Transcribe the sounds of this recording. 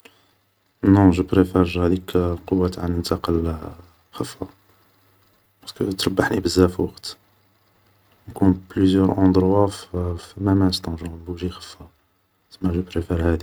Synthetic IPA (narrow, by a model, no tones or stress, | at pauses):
nɔ̃ʒəpɾefɛɾʒhæd̪ikqowːæt̪ʕanənt̪ɑqəl | xəfːa | pɑɾskət̪ɾˤɑbːaħnibəzːæfiwɑqt̪ | kunplyzjœɾʔɑ̃d̪ɾwaffimæmænst̪ɑ̃ʒɑ̃buʒixə̥fːa | t̪əmːæʒəpɾefɛɾhæd̪i